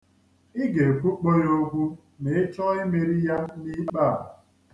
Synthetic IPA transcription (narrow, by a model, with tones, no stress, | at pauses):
ɪ˦ɡe˨kʷu˦k͡po˦jo˦ɡʷu˦ | me˨˦t͡ʃɔ˦ɪ˦me˨ɾi˦ja˦ni˦k͡paː˦˨